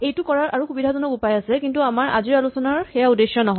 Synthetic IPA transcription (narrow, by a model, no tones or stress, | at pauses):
ejtukɔɹaɹaɹuxubidʱazɔnɔkupajasɛkintuamaɹa̰ziɹalusɔnaɹxɛjaudesjɔnɔɦɔ